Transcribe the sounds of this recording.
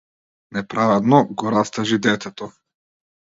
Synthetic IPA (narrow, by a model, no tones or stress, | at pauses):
nɛpɾavɛd̪nɔɡɔɾast̪aʒid̪ɛt̪ɛt̪ɔ